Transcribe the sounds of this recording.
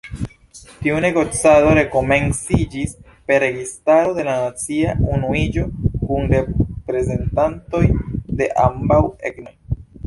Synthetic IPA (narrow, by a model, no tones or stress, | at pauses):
tiune̞ɡo̞t͡sado̞ɾe̞ko̞me̞nsid͡ʒis | pe̞ɾe̞ɡistaɾo̞de̞lanat͡siaunuid͡ʒo̞kunɾe̞pɾe̞ze̞ntanto̞jde̞ʔa̰mbaweɡnoj